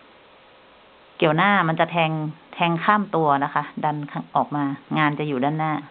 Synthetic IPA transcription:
ki˨˩əwnaː˥˩ma˧nt͡ɕa˨˩t̪ʰɛː˧ŋt̪ʰɛː˧ŋkʰaː˥˩mt̪u˧ɐna˦˥kʰa˦˥da˧nkʰa˧ʔɔː˨˩k̚maː˧ŋaː˧nt͡ɕa˨˩juː˨˩daː˧˥˩nːaː˥˩

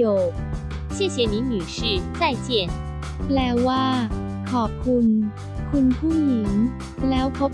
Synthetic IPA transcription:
o˨˩ | ɕjɛ˥˩ɕjɛ˧˥ni˨˧˥nyː˨˩ʂɻ̩˥˩t͡sa˥˧ɪt͡ɕjɛ˥˩n | plɛː˧˥waː˥˩ | kʰɔː˨˩p̚kʰu˧n | kʰu˧npʰuː˥˩ji˨˩˦n | lɛː˦˥wpʰo˦˥p̚

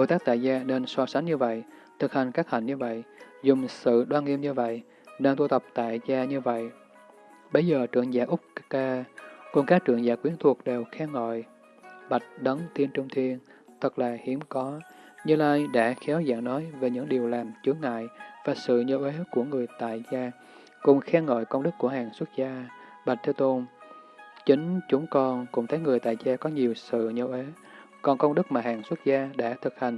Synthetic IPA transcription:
ɓo˧˨jt̪aː˦˥k̚t̪a̰ː˧˨jzaː˧ne˧nsɔ˧sa˨˦ŋ̟ɲɨ˧və̰˧˨jt̪ʰɨ˨˩k̚ha˨˩jŋ̟kaː˦˥k̚ha̰˨˧˩jŋ̟ɲɨ˧və̰˧˨jzʊ˨˩ŋ͡msɨ̰˧˨ɗwaː˧nŋi˧əmɲɨ˧və̰˧˨j | ne˧nt̪u˧t̪ə˨˩wk͡p̚t̪a̰ː˧˨jzaː˧ɲɨ˧və̰˧˨j | ɓə˧˦jzəː˨˩t͡ɕɨ̰˧˨əŋza̰ː˧˩ʔʊ˦˥k͡p̚kkaː˧ku˧˩ŋ͡mkaː˦˥k̚t͡ɕɨ̰˧˩əŋzaː˧˩kwi˨˦ənt̪ʰu˨˩ək̚ɗe˨˩wxɛ˧ŋɔ̰˧˨j | ɓa˨˩jt̚ɗə˨˦nt̪i˧ənt͡ɕʊ˧ŋ͡mt̪ʰi˧ən | t̪ʰə˨˩k̚laː˨˩hi˨˦əmkɔ˨˦ | ɲɨ˧laː˧jɗa̰ː˧˥xɛ˨˦wza̰ː˧˨ŋnɔ˨˦jve˨˩ɲɨ̰˧˥ŋɗi˨˩əwlaː˨˩mt͡ɕɨ˨˦ŋa̰ː˧˨jvaː˨˩sɨ̰˧˨ɲə˨˦wʔe˨˦ku˧˩əŋɨ˨˩əjt̪a̰ː˧˨jzaː˧ | kʊ˨˩ŋ͡mxɛː˧ŋo̰˧˨jkə˧ŋ͡mɗɨ˦˥k̚kːu˧˩əhaː˨˩ŋswə˦˥t̚zaː˧ | ɓa˨˩t̚t̪ʰe˨˦wt̪o˧n | t͡ɕï˨˦ŋ̟t͡ɕʊ˨˦ŋ͡mkɔ˧nkʊ̰˧˥ŋ͡mt̪ʰə˨˦jŋɨ˨˩əjt̪a̰ː˧˨jzaː˧kɔ˨˦ɲi˨˩əwsɨ̰˧˨ɲə˨˦wʔe˨˦ | kɔ˨˩nkə˧wŋ͡mɗɨ˦˥k̚maː˨˩haː˨˩ŋswt̚zaː˧ɗa̰ː˧˥t̪ʰɨ˨˩k̚ha˨˩ŋ̟

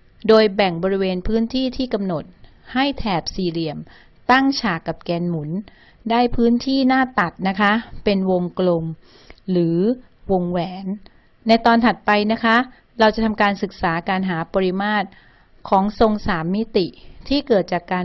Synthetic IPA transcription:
doː˧jbɛ˨˩ŋbɔː˧ɾi˦weː˧npʰɯː˦˥nt̪ʰiː˥˩t̪ʰiː˥˩ka˧mno˨˩t̪̚ | ha˥˩jt̪ʰɛː˨˩p̚siː˧ɾi˧əm | t̪a˥˩ŋt͡ɕʰaː˨˩kːa˨˩p̚kɛː˧nmu˩˦n | daː˥˩jpʰɯː˦˥nt̪ʰiː˥˩naː˥˩t̪a˨˩t̪̚na˦˥kʰa˦˥pe˧nwo˧ŋklo˧m | ɾɯː˩˦ | wo˧ŋwɛː˩˦nː | a˧jt̪ɔː˧nt̪ʰa˨˩t̪̚pa˧jna˦˥kʰa˦˥ | ɾa˧wt͡ɕa˨˩t̪ʰa˧mkaː˧nsɯ˨˩k̚saː˩˦kaː˧nɦaː˩˦pɔː˧ɾi˦˥maː˥˩t̪̚ | kʰɔː˩˦ŋso˧ŋsaː˩˦mːi˦˥t̪i˨˩t̪ʰiː˥˩kɤː˨˩t̪̚t͡ɕaː˨˩kːaː˧

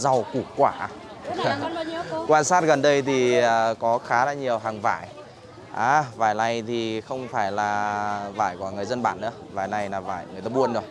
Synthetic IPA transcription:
za˨˩wku˧˩kwaː˧˩ | kwaː˧nsaː˦˥t̚ɣə˨˩nɗə˧jt̪ʰi˨˩ə˨˩kɔ˨˦xaː˨˦laː˧˩ɲi˨˩əwɦaː˨˩ŋva̰ː˧˩˨j | ʔaː˨˧˩vaː˨˩jna˨˩jt̪ʰi˨˩xə˧wŋ͡mfaː˧˩jlaː˨˩va̰ː˧˩jkwŋɨ˨˩əjzə˧nɓaː˧˩nʔɨ̰˧˥əvaː˨˩jna˧˩jnaː˨˩va̰ː˧˩˨jŋ˨əjt̪aː˧ɓu˧ənɗɨ̰˧˩ə

